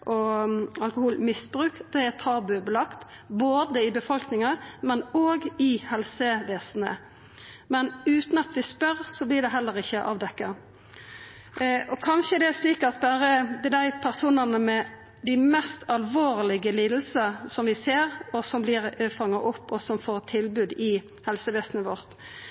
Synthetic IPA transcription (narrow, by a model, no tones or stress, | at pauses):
ʔɔɑlkʊhuːlmɪsbɾʉːkd̪̥ɛæt̪ʰɑːbʉbəlɑkt̪ | boːd̪əɪbəfɔlknɪŋɑmɛnoːɡɪhɛlsəʋeːsn̩ə̰ | mɛnʉːt̪nɑt̪ʋɪspœɾsɔblɪɖ̪ɛɦɛlːəɾɪçːəʔɑ̰ːʋd̪ɛkːɑ | ʔɔkʰɑnʃəd̪ɛæʂliːkɑt̪bæːɾəd̪ɛd̪æɪpʰæʁsuːnɑnəmɛ | d̪ɪmɛst̪ɑlʋoːɾlɪɡəliːd̪l̩səsɔmʋɪseːɾɔsɔmblɪɾəfɑŋːɑʔʊpːɔsɔmfoːʁt̪ʰɪlbʉːd̪ɪ | hɛlsəʋeːsn̩əʋɔʁt̪